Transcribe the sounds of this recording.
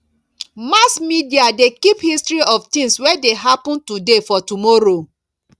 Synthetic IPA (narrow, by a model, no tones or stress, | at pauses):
masmidiadekiphistɹiɔftĩŋswɛdeɦapɔ̃ntudefɔtumɔɾo